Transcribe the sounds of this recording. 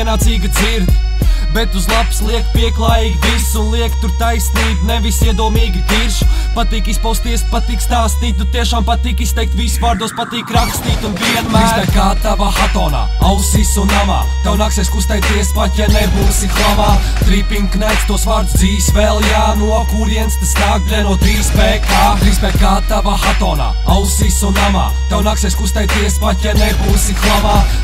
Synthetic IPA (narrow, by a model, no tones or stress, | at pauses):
ɛnaːt̪siːɡəd̪ziɾd̪ | bɛt̪uzlˠapslˠiɛkpiɛklˠajiːɡʲvisunlˠiɛkt̪uɾt̪ajsniːbnevisiɛd̪uɔmiːɡʲt̪iɾʃpat̪iːkispawst̪iɛspat̪iːkst̪aːst̪iːt̪ʲut̪ːiɛʃaːmpat̪iːkist̪ɛjk̚t̪visvaːɾd̪uɔspat̪iːkɾakst̪iːt̪unviɛnmæːsajkaːt̪avaːxat̪ɔːna̰ːawsisunava̰ːt̪awnaksɛjskust̪ajt̪iɛspacʲɛnɛjbuːsixlˠamaː | t̪ɾiːpiŋknat̪st̪uɔsvaɾd̪zziːsvɛlˠjaːnuɔkuɾiɛnsp̪eskaːɡ̚bɾɛnuɔt̪ɾiːsbɛːkaːɾisbɛkaːt̪avaːxat̪ɔːna̰ːawsisunama̰ːt̪awnaksɛskust̪ajt̪iɛspacʲɛnɛjbuːsixlˠamaː